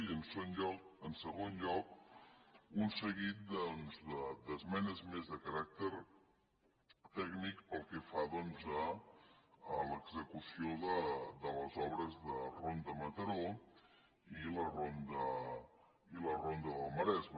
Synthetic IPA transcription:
iənsonʎɔkənsəɣonʎɔk | unsəɣit̪̚d̪ɔnzdəd̪əzmɛnəzmezðəkəɾak̚t̪əɾ | t̪ɛɡnikpəlˠkɛfaðɔnzə | ələɡzəkusioðəd̪ələzɔβɾəzðərond̪əmət̪əɾo | ilərond̪ə | ilərond̪əðəlˠməɾɛzmə

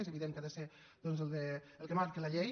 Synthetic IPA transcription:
nzəβiðemkaðəse | ð̥ɔnzəlˠd̪ə | əlˠkəmaɾkəlaʎej

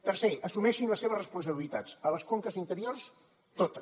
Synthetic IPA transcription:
t̪ərseʔəsumɛʃinləsːeβəzrəspunsəβilit̪ad͡zələskoŋkəzint̪əɾiors | t̪ot̪ə

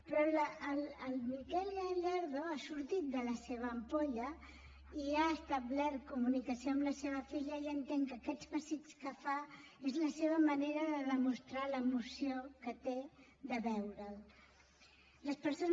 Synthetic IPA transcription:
pɾɔlələlmikɛlaʎaɾðoasuɾt̪it̪̚d̪ələseβ̞əːmpoʎə | iaəst̪əβlɛtkumunikəsioəmləseβ̞əfiʎəiənt̪eŋkəkɛd͡zβəsit͡skəfaezləseβ̞əməneɾəðəðəmust̪ɾaləmusiokət̪eðəβɛwɾəl | ləspəɾso

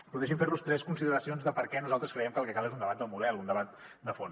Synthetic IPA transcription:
puðeʃ̬iɱfeɾlust̪ɾɛskunsiðəɾəsionzðəpəɾkɛnuzalˠt̪ɾəskɾəjɛmkəlˠkɛkalˠezund̪əβat̪d̪əlˠmuðɛlˠund̪əβat̪̚ | d̪əfon

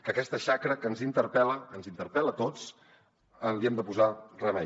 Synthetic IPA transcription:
kəkɛst̪əʃakɾəkənzint̪əɾpɛləːnzint̪əɾpɛlət̪ot͡s | ənliɛmd̪əpuzarəmɛ̰

